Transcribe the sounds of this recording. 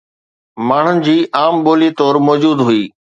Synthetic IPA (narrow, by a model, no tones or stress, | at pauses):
maːɳ̤ʊnɪ̆d͡ʑiːʔaːmɓoːlit̪ɔːɾmɔːd͡ʑuːd̪ɦʊiː